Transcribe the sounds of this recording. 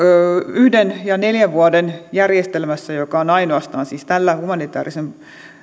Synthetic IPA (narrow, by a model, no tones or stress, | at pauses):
yhdenjɑneljæʋʋuɑdenjærjest̪elmæsːæjokɑonɑinoɑst̪ɑːnsiːst̪ælːæhumɑnit̪æ̰ːrisen